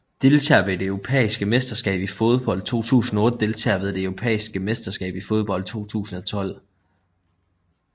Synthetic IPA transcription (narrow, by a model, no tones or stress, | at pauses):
d̥e̝lt͡sʰɛ̰ːɐʋed̥eøʊʁo̝pʰḛːisɡ̥əmesd̥ɐsɡ̥ɛ̰ːb̥ifo̝ð̞̩ˠb̥ɒ̽l̰d̥̚t͡sʰo̝̰ːt͡sʰṵːsn̩ɒɔ̽ːd̥əd̥e̝lt͡sʰɛ̰ɐʋe̝ðˠd̥eøʊʁo̝pʰɛ̰ːisɡ̥əmesd̥ɐsɡ̥ɛ̰ːb̥ifo̝ð̞ˠb̥ɒ̽l̰d̥̚t͡sʰo̝̰ːt͡sʰṵːsn̩ɒ̽t͡sʰɒ̽l̰